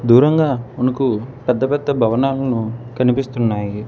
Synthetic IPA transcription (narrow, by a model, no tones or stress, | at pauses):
d̪uːɾɐŋɡaːmɐnɐkupɛd̪ːɐpɛd̪ːɐbʱɐʋɐnaːlɐnukɐnipist̪unːaːji